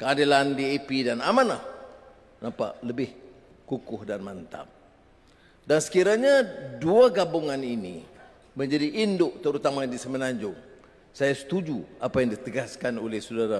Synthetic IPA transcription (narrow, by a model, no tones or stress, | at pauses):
kəadilandiepidanamanlah | nampa̰ʔləbɪh | kukʊhdanmant̪a̰p̚ | dansə̥kiɾaɲaduaɡabuŋaninḭ | məɲd͡ʒadiʔːndʊʔt̪əɾut̪amadisəmənaɲd͡ʒʊŋ | sajasə̥t̪ud͡ʒuapajaŋdit̪əɡaskanolɪhsudaɾa